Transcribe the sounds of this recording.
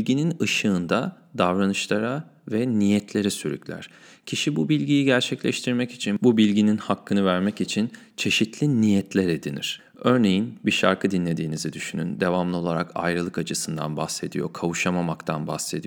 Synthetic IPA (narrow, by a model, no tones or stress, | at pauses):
lʲɟininɯʃɯːnd̪a | d̪avɾanɯʃlˠaɾavɛnijɛt̪ʰlʲe̞ɾisyɾy̰clʲæ̰ɾ̥ | cʰiʃibubilʲɟijiɟæɾt͡ʃʰɛclʲɛʃt̪ʰiɾmɛci̥t͡ʃʰinbubilʲɟininhakʰːɯnɯvæɾmɛcit͡ʃʰin | t͡ʃʰe̞ʃit̪lʲinijɛt̪lʲeɾed̪inḭɾ̥ | ø̞ɾne̞jinbiʃa̰ɾkʰɯd̪inlʲe̞d̪iːnizid̪yʃyny̰nd̪e̞vamlˠɯo̞lˠaɾakʰa̰jɾɯlˠɯkat͡ʃʰɯsɯnd̪a̰nba̰hse̞d̪ḭjo̞̰kʰavuʃamamakt̪ʰanba̰xse̞d̪i